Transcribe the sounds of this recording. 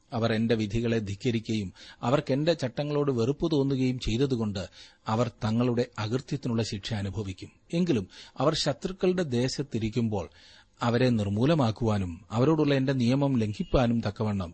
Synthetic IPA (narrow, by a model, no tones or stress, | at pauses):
ɐʋɐre̞nde̞ʋid̪ʱiɣɐɭe̞d̪ʱikːɐɾikʲːɐjumɐʋɐrke̞nde̞t͡ɕɐʈːɐŋːɐɭo̞ːɽɨʋe̞rupːɨt̪o̞ːnːuɣɐjumt͡ɕe̞jt̪ɐðuɣo̞ɳɖɨɐʋɐrt̪ɐŋːɐɭuɽe̞ɐɣrt̪jɐt̪ːinuɭːɐɕikʂɐɐːnubʱɐʋikʲːume̞ŋɡilumɐʋɐrɕɐt̪rikːɐɭɽe̞d̪e̞ːɕɐt̪ːiɾikʲːumbo̞̰ːɭ | ɐʋɐɾe̞nirmuːlɐmaːkːuʋaːnumɐʋɐɾo̞ːɽuɭːɐe̞nde̞nijɐmɐmle̞ŋɡʰʱipʲːaːnumt̪ɐkːɐʋeːɳːɐm